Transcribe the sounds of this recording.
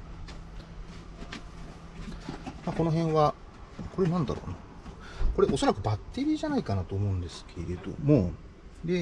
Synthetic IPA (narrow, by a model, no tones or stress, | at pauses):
mako̞no̞ɦẽ̞ɰ̃βa | ko̞ɾe̞nãnd̪a̰ɾo̞̰ːna | ko̞ɾe̞ʔo̞so̞ɾakɯ̟bat̪ːe̞ɾʲiːʑanaikanat̪oːmo̞ɯ̟̃nd̪e̞sɨ̥kʰe̞ɾe̞d̪o̞̰mo̞ | d̪e̞